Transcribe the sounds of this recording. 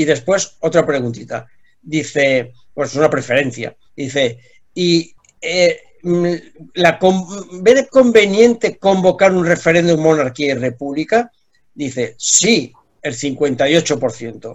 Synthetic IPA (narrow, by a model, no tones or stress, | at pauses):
iðe̞spwe̞so̞t̪ɾapɾe̞ɣunt̪it̪a̰ | d̪iθe̞ | bwenosunapɾe̞fe̞ɾe̞n̟θja̰ | d̪iθe̞ | i | e | lakombeɾko̞mbe̞njẽ̞nt̪e̞ko̞mbo̞kaɾunre̞fe̞ɾe̞nd̪umːo̞naɾkiaire̞puβlika | d̪iθe̞si | e̞lθiŋkwe̞nt̪ajo̞t͡ʃo̞po̞ɾθje̞nt̪o